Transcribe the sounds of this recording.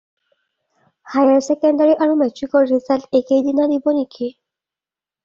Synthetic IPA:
hajaɹsɛkɛndaɹiʔaɹumɛtɹikɔlɹizaltekejdinadibɔniki

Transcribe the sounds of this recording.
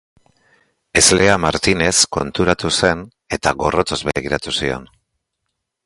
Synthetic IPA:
e̞zle̞amaɾt̪ine̞sko̞nt̪uɾat̪use̞n | e̞t̪aɣo̞ro̞t͡s̪o̞zβeɣiɾat̪usio̞̰n

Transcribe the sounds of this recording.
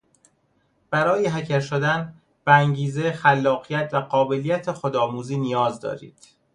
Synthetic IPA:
b̥æɾɒːjeɦæcʰæɾʃod̪æn | b̥eæŋɟiːzexælːɒːɣijæt̪ʰvæɢɒːbe̞lijæt̪ʰexod̪ɒːmuːziːnijɒːzd̪ɒ̰ːɾḭːd̪̥

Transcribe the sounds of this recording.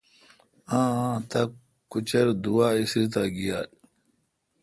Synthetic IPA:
ãːãt̪ɐk | kːut͡ɕɐɾd̪uwaːisɾit̪aɡijaːl

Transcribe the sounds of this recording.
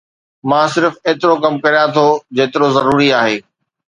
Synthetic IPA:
mãːsɪɾfeːt̪ɪɾokɐmkɐɾijãt̪ʰod͡ʑeːt̪ɪɾozɐɾuːɾiaːɦeː

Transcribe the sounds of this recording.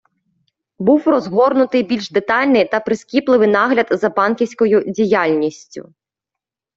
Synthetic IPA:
buwrɔzɦɔrnʊt̪ɪjbʲilʲʃd̪et̪ɑlʲnɪjt̪ɐpɾɪskʲiplˠɪʋɪjnɑɦlʲɐd̪zɐbɑnkʲiwsʲkɔjʊdʲijɑlʲnʲisʲtʲʊ̰

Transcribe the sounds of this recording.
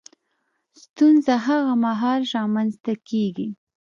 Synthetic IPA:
st̪unzaɦaɣamaɦɑlɾɑmanzt̪akeɡi

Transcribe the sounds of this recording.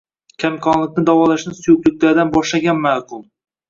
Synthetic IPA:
kʲʰamkʰɒnlˠɪkʲnɪd̪avɒlˠaʃnɪsʊjʊklɪkʲlaɾd̪anbɒʃlaɡʲanmaːqʊmˠ

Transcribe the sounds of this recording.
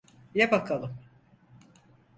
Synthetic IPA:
jɛbakʰalˠɯm

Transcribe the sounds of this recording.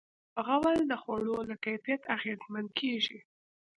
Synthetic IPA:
əɣawald̪əxwaɽolakajfijat̪aɣezmand̪kʰeʒi

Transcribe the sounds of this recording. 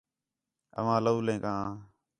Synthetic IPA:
ə̰ʋãːləuːlẽːkãːãː

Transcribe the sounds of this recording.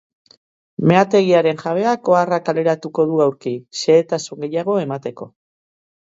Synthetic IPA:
me̞at̪e̞ɣ̞iaɾe̞nʝaβ̞e̞ako̞arakale̞ɾat̪uko̞ðuawɾkiʃe̞ːt̪asuŋɡe̞jaɣ̞o̞e̞mat̪e̞ko̞̰

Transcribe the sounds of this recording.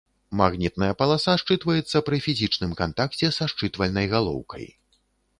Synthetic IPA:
maɣnʲit̪̚nɐjɐpɐlˠasaʂt͡ʂɨt̪vɐjɛt̪sːɐpɾɨfʲizʲit͡ʂnɨmkant̪akt͡sʲɛsaʂt͡ʂɨt̪vɐlʲnɐjɣalˠɔ̰wkʰɐ̰j

